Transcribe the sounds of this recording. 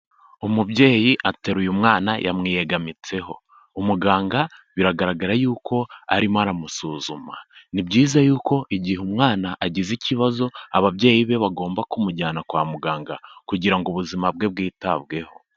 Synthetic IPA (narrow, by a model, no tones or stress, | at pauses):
umubɟe̞ːjiʔate̞ɾujumŋaːnajʔa̰mŋiːje̞ɡamit͡se̞ɦo̞ | umuɡaːŋɡaβiɾaɡaɾaɡaɾajuːko̞a̰ɾimaɾamusuzuma̰nibɟiːzajuːko̞ʔiɟihumŋaːnaʔaɟiziciβazo̞aβabɟe̞ːjiβe̞βaɡo̞ːmbakumuɟaːnakwaːmuɡaːŋɡakuɟiɾaŋɡoβuzimabɡe̞b̚ɡiːtaβɡe̞ho̞